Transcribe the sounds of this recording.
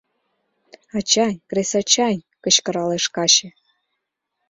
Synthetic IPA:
ɑt͡ɕɑnʲkresɑt͡ɕɑnʲ | kə̆t͡ɕkɤ̆ɾɑleʃkɑɕĕ

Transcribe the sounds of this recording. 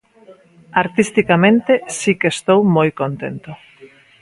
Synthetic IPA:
aɾt̪ist̪ikamẽnt̪esikest̪owmojkont̪ḛnt̪o

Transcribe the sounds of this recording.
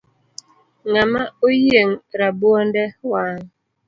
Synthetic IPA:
ŋamaojjeŋɾabuɔndɛwaːŋ

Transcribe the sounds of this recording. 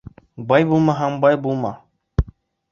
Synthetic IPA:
bajbumãɦambajbuma

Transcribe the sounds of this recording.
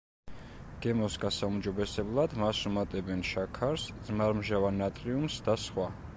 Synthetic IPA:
ɡ̥ɛmɔsɡasaumd͡ʒɔbɛsɛblˠad̪masumat̪ʼɛbɛnʃakʰaɾsd̪zmaɾmʒavanat̪ʼɾiumsd̪asχwa

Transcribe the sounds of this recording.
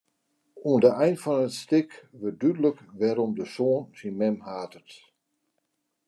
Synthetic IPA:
uəndəʔɛjndfɔnətstɪkʋət̚dydələkʋɛɾɔmdəsoənsinmɛmhaːtət

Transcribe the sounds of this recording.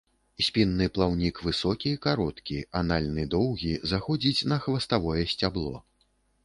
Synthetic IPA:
sʲpʲinːɨplˠawnʲikvɨsɔkʲikaɾɔt̪kʲianalʲnɨd̪ɔwɣʲizaxɔd͡zʲit͡sʲnɐxvɐst̪avɔjɛsʲt͡sʲablˠɔ̰

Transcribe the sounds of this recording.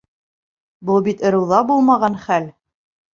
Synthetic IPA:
bɤlˠbit̪ɤ̆ɾɤ̆wðɑbulˠmɑʁɑnχæl

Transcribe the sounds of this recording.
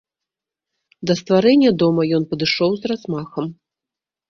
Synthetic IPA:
d̪ɐst̪vaɾɛnʲːɐd̪ɔmɐjɔnpɐd̪ɨʂɔwzrazmaxɐm

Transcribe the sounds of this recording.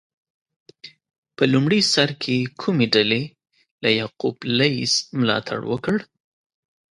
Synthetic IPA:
pəlumɽisaɾkʰekʰumeɖale | lajɑqublajsmlɑ̰t̪ʰa̰ɽwə̰kəɽ

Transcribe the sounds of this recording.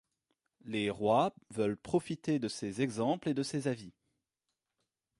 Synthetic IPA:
leʁwavœlpχɔfit̪ed̪əsezɛɡzɑ̃pled̪əsezavi

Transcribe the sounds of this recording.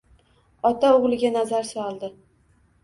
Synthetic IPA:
ɒt̪aoʁlˠɪɡʲanazaɾsɒlˠd̪ɪ

